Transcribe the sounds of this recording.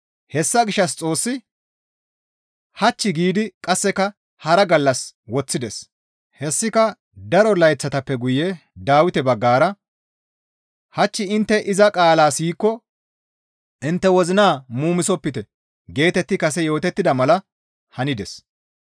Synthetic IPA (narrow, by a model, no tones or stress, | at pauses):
hɛsːɐɡɪʃːɐs̬t͡sʼo̞ːsːɪ | hɐt͡ʃːɪɡiːd̪ɪkʼɐsːɛkɐ | hɐɾɐɡɐlːɐswɔt͡sːɪd̪ɛs | hɛsːɪkɐ | d̪ɐɾɔlɐjt͡sːɐt̪ɐpːɛɡʊjɛ | d̪aːwɪt̪ɛbɐɡːaːɾɐ | hɐt͡ʃːɪɪnt̪ːɛʔɪzɐkʼaːlaːsiːkːɔ | ɪnt̪ːɛwɔzɪnaːmuːmɪsɔpːɪt̪ɛ | ɡe̞ːt̪ɛt̪ːɪkɐsɛjo̞ːt̪ɛt̪ːɪd̪ɐmɐlɐ | hɐnɪd̪ɛs